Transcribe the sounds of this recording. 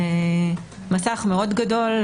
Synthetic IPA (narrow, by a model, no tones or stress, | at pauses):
masaχmeo̞dɡado̞l